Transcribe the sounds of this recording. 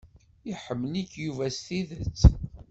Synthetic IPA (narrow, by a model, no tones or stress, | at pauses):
iħəmːəlikjuvæst̪iðət͡sː